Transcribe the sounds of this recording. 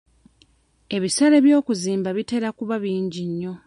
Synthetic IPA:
e̞βisaɾe̞βjo̞ːkuziːmbaβite̞ɾakuβaβiːɲɟiɲːo̞

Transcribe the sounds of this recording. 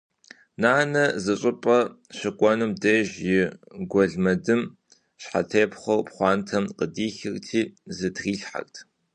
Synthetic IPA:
naːnɐzɨɕʼɪpʼɐɕɪkʷʼɔnɨmdeːʒjɪɡʷɔɮmɐdɨm | ɕħatʰeːpχʷɐwpχʷɑːntʰɐmqədiːxɪrtʰiːzɨdʁiːɬħa̰ktʰ

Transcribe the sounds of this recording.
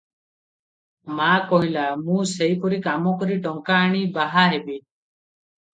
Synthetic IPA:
makɔɦilamũseipɔɾikamɔkɔɾiʈɔŋkaːɽ̃ibaɦaɦebi

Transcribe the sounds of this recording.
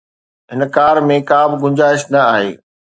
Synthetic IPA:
ɦɪnkaːɾmẽkaːbʱɪɡʊ̃ɲd͡ʑaːɪʃnɐaːɦḛː

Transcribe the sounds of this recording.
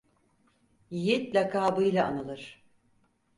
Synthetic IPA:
jit̪lʲakʰaːbɯjlʲˠaanalˠɯɾ̥

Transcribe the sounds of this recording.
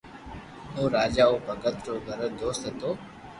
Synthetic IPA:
õːɾaːd͡ʒaːoːbʱəɡət̪ɾoːɡʱəɾəd̪oːst̪ɦət̪oː

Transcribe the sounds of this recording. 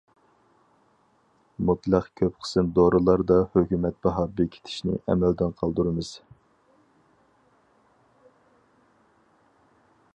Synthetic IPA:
mut̪lˠəqkʲʰøp̚qʰə̥sɨnd̪oɾɨlˠɑɾd̪ɑhøkʲymɛt̪̚bɑɦɑːbikʲʰe̥t̪ʰɪ̥ʃnɪ̰ʔɛ̰mɛld̪ɪnqʰɑlˠd̪uɾɨmɨz̥

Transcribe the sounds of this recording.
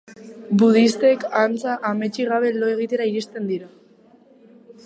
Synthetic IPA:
buð̞ist̪e̞kant͡saʔame̞t͡ʃiɣaβ̞e̞lo̞e̞ɣ̞it̪e̞ɾaiɾist̪e̞nd̪iɾa

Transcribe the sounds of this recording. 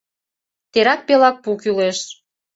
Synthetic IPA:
t̪eɾɑk̚pelɑk̚pukyleʃ

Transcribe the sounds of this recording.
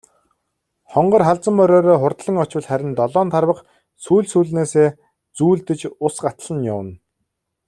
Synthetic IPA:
χɔɴɢɞ̆rχaɮt͡sə̆mpœɾɔːɾɔːχʊrt̪ɮə̆ŋɔt͡ɕwə̆ɮχæɾʲɪ̆nt̪ɔɮɔːnt̪ʰarwə̆q | suːɮsuːɮneːseː | t͡suːɮt̪ɘ̆t͡ɕʊsɢat̪ɮə̆njʊwə̆n

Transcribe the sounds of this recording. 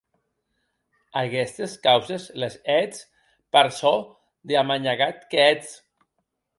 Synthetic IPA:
aɣɛst̪eskawzezlezɛt͡s | paɾso | d̪eamaɲaɣat̪kɛt͡s

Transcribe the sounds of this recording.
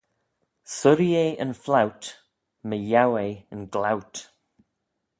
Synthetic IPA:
səɾieʔənflawt | məjawejənɡlawt

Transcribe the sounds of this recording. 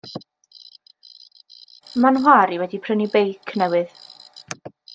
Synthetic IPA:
manɦwaɾiwɛdipʰrənibejkʰnɛwɨð

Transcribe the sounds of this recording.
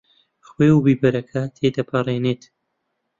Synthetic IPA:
xweːubiːbɐɾɐkʰɐt̪ʰed̪ɐpʰɐreneːt̪

